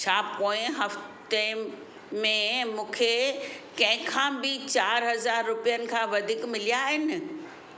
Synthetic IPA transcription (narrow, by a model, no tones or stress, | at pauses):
t͡ɕʰaːpoːɪ̃ɦɐft̪e | mẽmũːkʰekɐ̃ɦɪ̃kʰãːbɪt͡ɕaːɾɦɐzaːɾːʊpijənɪ̆kʰãːʋɐd̪ʱikmɪlijaːɦɪnɪ̆